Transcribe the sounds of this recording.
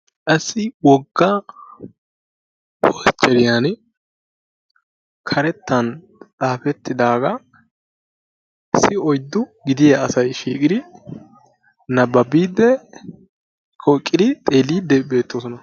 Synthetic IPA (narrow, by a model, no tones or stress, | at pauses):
ʔɐsːɪwɔɡːɐ | hɔst͡ʃʼːɛɾɪjan | kʰɐɾɛt̪ːɐn | t͡sʼaːfɛt̪ːɪd̪aːɡɐ | sɪɔjd̪ːʊɡɪd̪ɪjɐɐsɐjʃiːkʼɪd̪ɪ | nɐbɐbiːd̪ːɛ | kʰɔkʼːɪd̪ɪt̪ʼe̞ːliːd̪ːɛbe̞ːt̪ːosɔnɐ